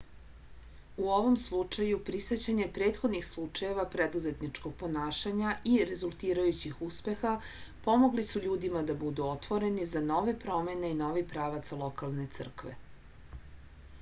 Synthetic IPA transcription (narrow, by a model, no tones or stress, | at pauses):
uo̞ʋo̞mslˠut͡ʂajupɾisat͡ɕaɲe̞pɾe̞ːt̪xod̪nixslˠut͡ʂaje̞ʋapɾed̪uzet̪nit͡ʂko̞ɡ̚po̞naːʃaɲaiɾe̞zulˠt̪iːɾajut͡ɕixuspe̞xa | po̞mo̞ɡlisuʎuːd̪imad̪abud̪uo̞t̪ʋo̞ɾe̞nizano̞ʋe̞pɾo̞me̞neino̞ʋipɾaːʋat̪salˠo̞kalˠne̞t̪sɨr̩kʋḛ